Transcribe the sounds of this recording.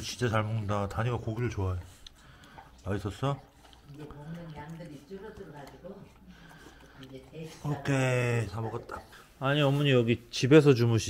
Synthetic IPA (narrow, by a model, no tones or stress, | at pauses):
t͡ɕint͡ɕ͈at͡ɕaɭmoŋɯndataɲiɡakoɡiɾɯɭt͡ɕoajo | mais͈ʌs͈ʌ | ŋd | aiɡo | okʰet͡ɕabʌk͈at̚t͈ḁ | aɲiʌmuɲijʌɡit͡ɕibe̞s̬ʰʌt͡ɕumuɕʰi